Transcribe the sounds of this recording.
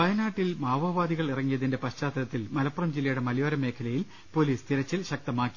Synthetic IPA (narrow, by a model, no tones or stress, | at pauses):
pɐjɐnaːʈːilmaːʋɐʋaːd̪iɣɐɭirɐŋːijɐðinde̞pɐɕt͡ɕaːt̪ɐɾɐt̪ːilmɐlɐpːrɐmd͡ʑilːɐjuɽe̞mɐlijɐɾɐme̞ːkʰɐlɐjil | po̞liːst̪iɾɐt͡ɕːilɕɐk̚t̪ɐmaːkːi